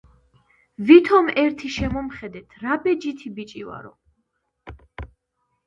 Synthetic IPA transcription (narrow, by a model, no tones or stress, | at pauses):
vit̪ʰɔmɛɾt̪ʰiʃɛmɔmχɛd̪ɛt̪ʰɾabɛd͡ʒit̪ʰibit͡ʃʼiva̰ɾɔ̰